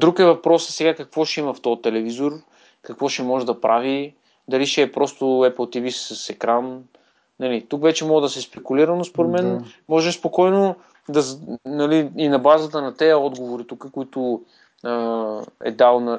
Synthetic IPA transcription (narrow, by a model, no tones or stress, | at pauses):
d̪ɾukɛvɐpɾɔsə̥sɛɡakɐkvɔʃɛimɐft̪ɔt̪ɛlɛvizoɾ | kɐkvɔʃɛmɔʒɛd̪ɐpɾʔavi | d̪ɐliʃɛːpɾɔst̪ʊɛpəlˠt̪ivisːɐsɛkɾan | nɐlit̪ukvɛt͡ʃɛmɔɡəd̪ɐsɛspɛkuliɾɐnospoɾɛt̪mɛnmɔʒɛmspokɔjno | d̪ɐznɐliːnɐbazət̪ənɐt̪ɛjəɔd̪ɡovoɾit̪ukəkʊit̪ʊ | əɛ̰d̪alˠnɐ